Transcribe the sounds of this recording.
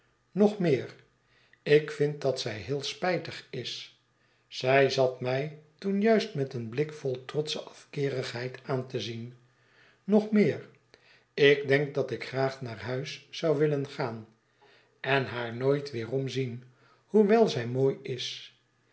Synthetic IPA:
nɔχmɪːʁ | ɪkfɪnt̚dɑtsɛjɦɪːlˠspɛjtəχɪs | sɛjzɑtmɛjtunjœɥstmɛtənblɪkfɔlˠtrɔtsəʔɑfkɪːʁəχɦɛjtʰaːntəzin | nɔχmɪːɹ | ɪɡdɛŋk̚dɑtɪkχraːχnaːɹɦœɥsːɑwʋɪlənχaːn | ɛnɦaːɹnoːjtʋɪːrɔmzin | huʋɛlˠzɛjmoːjɪs

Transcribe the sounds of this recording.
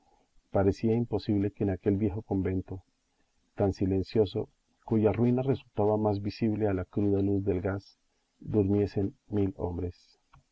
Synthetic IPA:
paɾe̞siaimpo̞siβle̞ke̞ːnake̞lbjexo̞ko̞mbe̞nt̪o̞ | t̪ansile̞nsjo̞so̞̰ | kuʝarwinare̞sult̪aβamazbisiβle̞alakɾuðaluzd̪e̞lɡas | d̪uɾmje̞se̞nmilo̞̰mbɾe̞s

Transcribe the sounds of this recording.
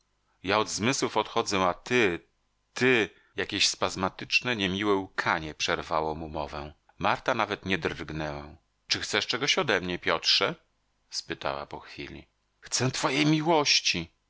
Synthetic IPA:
jaɔd̪zmɘswufɔt̪xɔd̪zɛ̃at̪ɘ | t̪ɘ | jakʲeɕspazmat̪ɘt͡ʂnɛɲɛmʲiwɛukʰaɲɛpʂɛɾvawɔmumɔvɛ̃ | maɾt̪anavɛt̪ɲɛd̪rɡnɛwɛ | t͡ʂɘxt̪sɛʂt͡ʂɛɡɔɕɔd̪ɛmɲɛpʲjɔtʂɛ | spɘt̪a̰wa̰pɔxfʲḭlʲḭ | xt̪sɛ̃t̪fɔjejmʲiwɔɕt͡ɕi

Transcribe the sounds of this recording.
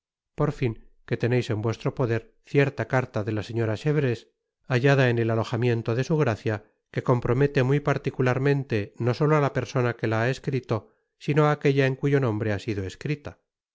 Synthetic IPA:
po̞ɾfiŋke̞t̪e̞ne̞jse̞mbwe̞st̪ɾo̞po̞ðe̞ɾ | θje̞ɾt̪akaɾt̪aðe̞lase̞ɲo̞ɾaʃeβɾes | aʝaðaene̞lalo̞xamje̞nt̪oðe̞suɣ̞ɾaθja | ke̞ko̞mpɾo̞met̪e̞mujpaɾt̪ikulaɾmẽ̞nt̪e̞no̞so̞loalape̞ɾso̞nake̞laaeskɾit̪o̞ | sinoaːke̞ʎaeŋkuʝo̞nõmbɾe̞asiðo̞eskɾit̪a

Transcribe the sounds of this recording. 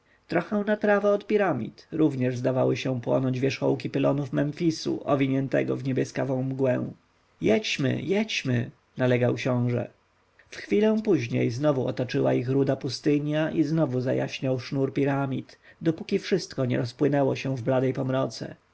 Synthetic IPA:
t̪ɾɔxɛ̃w̃nat̪ɾavaɔt̪pʲiɾamʲḭt̪ɾuvɲɛʐzd̪avawɘɕɛ̃pwɔ̰nɔɲd͡ʑvʲjɛʂxɔ̰wk̬ʲipɘlɔnufmɛnfʲisṵʔɔvʲiɲɛnt̪ɛ̰ɡɔ̰vɲɛbʲjɛskavɔ̃w̃mɡwɛ̰̃ | jɛt͡ɕmɘ̰jɛt͡ɕmɘ̰ | nalɛɡawkɕɔ̃w̃ʐɛ̰ | fxfʲilɛ̃w̃puʑɲḛjznɔvuɔt̪at͡ʂɘwa̰ixɾud̪apust̪ɘɲjaʔiznɔvuza̰ja̰ɕɲawʂnuɾpʲiɾamʲit̪ | d̪ɔpukʲifʂɘst̪kɔɲɛ̰ɾɔspwɘnɛwɔɕɛ̃vblad̪ɛjpɔmɾɔt̪sɛ̰

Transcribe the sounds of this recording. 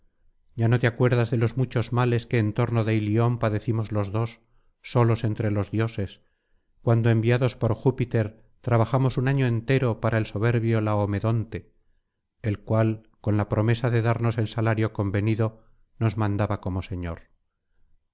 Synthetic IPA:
ɟ͡ʝano̞t̪eakwe̞ɾð̞azðe̞lo̞zmut͡ʃo̞zmale̞skeːnt̪o̞ɾno̞ðe̞ilio̞mpaðe̞θimo̞zlo̞zðo̞sː | o̞lo̞se̞nt̪ɾe̞lo̞zðjo̞se̞s | kwand̪oembiaðo̞spo̞ɾxupit̪e̞ɾ | t̪ɾaβaxamo̞sunaɲoe̞nt̪e̞ɾo̞paɾaelso̞β̞e̞ɾβjo̞laome̞ðo̞nt̪e̞ː | lkwal | ko̞nlapɾo̞me̞saðe̞ðaɾno̞se̞lsalaɾjo̞ko̞mbe̞niðo̞ | no̞zmãnd̪aβako̞mo̞se̞ɲo̞̰ɾ

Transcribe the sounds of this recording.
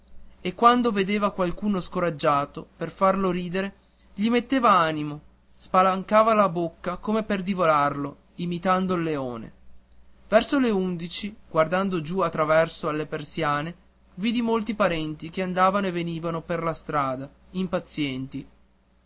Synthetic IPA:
ekːwand̪oved̪eːvakwalkuːnoskoɾad͡ʒːaːt̪operfarloɾiːd̪eɾe | ʎimet̪ːeːvaaːnimo | spalaŋkaːvalabokːakomeperd̪ivolarlo | imit̪and̪oilːeoːnḛ | vɛrsoleund̪it͡ʃiɡward̪and̪od͡ʒuat̪ːɾavɛrsoalːepersjaːne | viːd̪imolt̪ipaɾɛnt̪ikeand̪aːvanoeveniːvanoperlast̪ɾaːd̪a | impat̪sːjɛnt̪i

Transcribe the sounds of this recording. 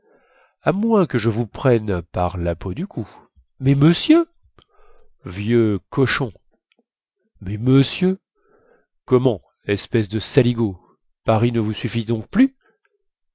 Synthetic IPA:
amwɛ̃kəʒəvupχɛnpaʁlapod̪ykʰu | mɛməsjø | vjøkɔʃɔ̃ | mɛməsjø | kɔmɑ̃ | lɛspɛsd̪əsaliɡo | paʁinəvusyfid̪ɔ̃k̚ply

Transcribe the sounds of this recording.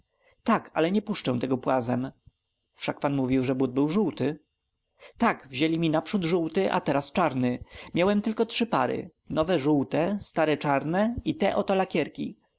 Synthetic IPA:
t̪akʰa̰lɛɲɛpuʂt͡ʂɛw̃t̪ɛɡɔpwazɛm | fʂak̚panmuvʲiwʐɛbud̪̚bɘwʐuwt̪ɘ | t̪akvʑelʲimʲinapʂud̪ʐuwt̪ɘʔa̰t̪ɛɾast͡ʂaɾnɘmʲjawɛmt̪ɘlkɔtʂɘpa̰ɾɘ̰ | nɔvɛʐuwt̪ɛst̪aɾɛt͡ʂaɾnɛit̪ɛʔɔt̪ɔlakʲjɛɾkʲi

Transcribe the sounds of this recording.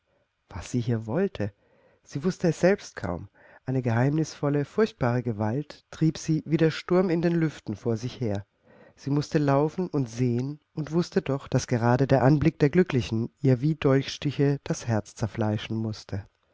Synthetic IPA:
v̥asz̥iːɦiːɐvɔltʰə | z̥iːvʊstəɛsz̥ɛlpst̚kʰa̰ʊm | ʔaɪnəɡəɦaɪmnɪsfɔləfʊɐçt̚b̥aːʁ̞əɡəvaltːʁ̥iːpz̥iːviːdeːɐʃtʊɐmɪndeːnlʏftn̩foːɐzɪçheːɐ | z̥iːmʊstəlaʊfn̩ʊntz̥eːən | ʊntv̥ʊstədɔχd̥asɡ̥əʁ̞aːdədeːɐʔanblɪk̚d̥eːɐɡlʏklɪçn̩ʔiːɐviːdɔlçʃtɪçəd̥ashɛɐt͡st͡sɛɐflaɪʃn̩mʊstʰə

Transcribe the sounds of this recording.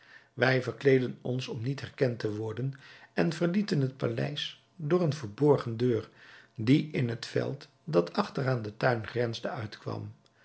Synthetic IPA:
ʋɛjvəɹklejdənɔnsɔmnitɦɛrkɛntəʋɔɹdənɛnvəɹlitənɦət̚palɛ̰js | dʊːɹənvəɹbɔɹχəndøːrdiʔɪnɦətfɛ̰lˠt | dɑtʰɑχtəraːndətœɥnχrɛnzdəœɥtkʋɑ̰m

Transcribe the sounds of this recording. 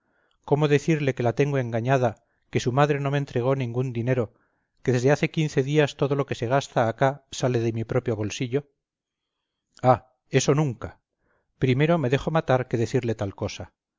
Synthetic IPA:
ko̞mo̞ðe̞θiɾle̞ke̞lat̪e̞ŋɡo̞e̞ŋɡaɲað̞a | ke̞sumaðɾe̞no̞ment̪ɾeɣ̞o̞nĩŋɡund̪ine̞ɾo̞ | keðe̞zðe̞aθe̞kinθe̞ðiast̪o̞ðo̞lo̞ke̞se̞ɣ̞ast̪aːkasale̞ðe̞mipɾo̞pjo̞βo̞lsiʎo̞ | a | e̞so̞nũŋka | pɾime̞ɾo̞me̞ðe̞xo̞mat̪aɾke̞ðe̞θiɾle̞t̪alko̞sa

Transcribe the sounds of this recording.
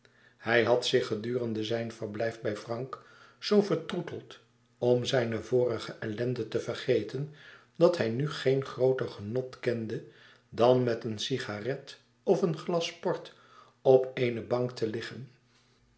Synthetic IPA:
hɛjɦɑtsɪχədyːrəndəzɛjnvəɹblɛjfbɛjfrɑŋk | sowvəɹtrutəlˠt | ɔmzɛjnəvʊːrəχəʔɛlɛndətəvərχejtən | dɑthɦɛjnyχejnχrowtərχənɔtkɛndə | dɑnmɛtənsiχarɛt | ɔfənχlɑspɔɹt | ɔpejnəbɑŋktʰəlɪχən

